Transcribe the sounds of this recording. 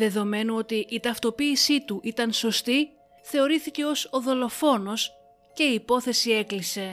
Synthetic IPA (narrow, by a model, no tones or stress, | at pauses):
ðe̞ðo̞me̞nuo̞t̪iʔit̪ɐft̪o̞piːsit̪uʔit̪ɐnso̞st̪i | θe̞o̞ɾiθice̞o̞so̞ðo̞lo̞fo̞no̞s | ce̞iːpo̞θe̞sie̞klise̞